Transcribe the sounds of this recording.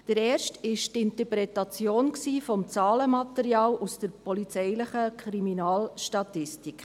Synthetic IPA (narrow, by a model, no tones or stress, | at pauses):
d̥əɾɛːɾʃtɪʃtɪnt̪əɾpɾɛt̪ɑt͡sjoːnksiːfɔmt͡sɑːləmɑt̪əɾjɑːlusd̥əɾpɔlit͡sɛɪlɪχəkʰɾiminɑːlʃtɑtɪstik